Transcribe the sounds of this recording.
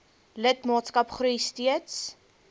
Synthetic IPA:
lətmɑːtskɐpχrujstiəts

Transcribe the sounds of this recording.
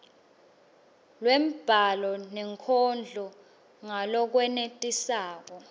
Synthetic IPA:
lwem̩b̥ʱalɔnɛŋkʰɔnd͡ɮʱɔ | ŋalɔk̬wɛnetʼisaːk̬ɔ

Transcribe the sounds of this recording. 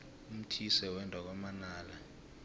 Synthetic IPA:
um̩tʰisɛwɛntʼɔk̬wamanaːla

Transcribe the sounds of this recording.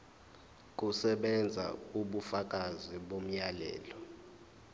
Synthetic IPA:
k̬ʼusɛɓɛnd͡zʱa̰uɓufak̬ʼaziɓom̩jalɛ̰ːlɔ

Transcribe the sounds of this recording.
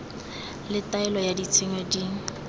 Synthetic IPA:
lɪtaɛlɔjadit͡sʰɪŋwɛdiːŋ̩

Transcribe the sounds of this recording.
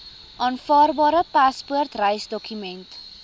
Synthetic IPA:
ʔɑːnfɑːrbɑːɾəpɐspuərtrəjsdɔkymɛnt

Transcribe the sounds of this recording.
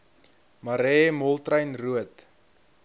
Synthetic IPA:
mɐɾɛːmɔlˠtrəjnruət

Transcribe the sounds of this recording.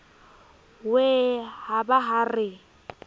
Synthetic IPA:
wehabaɦarɪ

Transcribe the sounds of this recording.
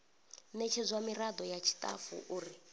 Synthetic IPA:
nɛt͡ʃʰɛzʷamirad̪ɔjat͡ʃʰi̥tʼafṵʔuːri

